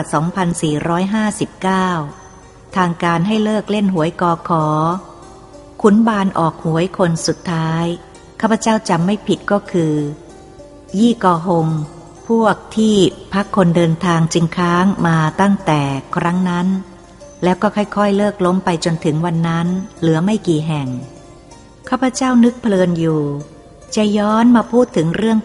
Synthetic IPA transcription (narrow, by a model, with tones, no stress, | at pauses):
a˨˩sɔː˩˦ŋpʰa˧nsiː˨˩ɾɔː˦˥jɦaː˥˩si˨˩p̚kaː˥˩w | t̪ʰaː˧ŋkaː˧nɦa˥˩jlɤː˥˩k̚le˥˩nɦu˩˦əjkɔː˧˩kʰɔː˩˦ | kʰu˦˥nbaː˧nʔɔː˨˩k̚hu˩˦əjkʰo˧nsu˨˩t̪ʰːaː˦˥j | kʰaː˥˩pʰːa˧t͡ɕaː˥˩wt͡ɕa˧mːa˥˩jpʰi˨˩t̪̚kɔː˥˩kʰɯː˧ | jiː˥˩kɔː˧ɦo˧ŋ | pʰu˥˩ək̚t̪ʰiː˥˩pʰa˦˥kʰːo˧ndɤː˧nt̪ʰaː˧ŋt͡ɕi˧ŋkʰɾaː˦˥ŋmaː˧t̪a˥˩ŋt̪ɛː˨˩kʰɾa˦˥ŋna˦˥n | lɛː˦˥wkɔː˥˩kʰɔ˥˩jkʰɔ˥˩jlɤː˥˩k̚lo˦˥mpa˧jt͡ɕo˧nt̪ʰɯ˩˦ŋwa˧nːa˦˥nlɯ˩˦ɐma˥˩jkiː˨˩ɦɛ˨˩ŋ | kʰaː˥˩pʰa˧˦t͡ɕaː˥˩wnɯ˦˥k̚pʰlɤː˧njuː˨˩ | t͡ɕa˨˩jɔː˦˥nmaː˧pʰuː˥˩t̪ʰːɯ˩˦ŋɾɯ˥˩əŋ